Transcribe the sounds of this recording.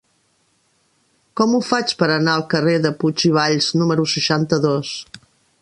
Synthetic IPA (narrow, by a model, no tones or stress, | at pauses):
kɔmufat͡ʃpəɾənaəlˠkəreðəput͡ʃiβ̞aʎznuməɾusəʃant̪əðos